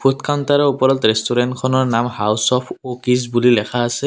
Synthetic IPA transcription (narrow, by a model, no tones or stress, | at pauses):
pʰut̪kʰantaɹɔupɔɹɔtɹestoɹɛntkʰɔnɔɹnamhawsɔpʰokis̬bulilɛkʰaːsɛ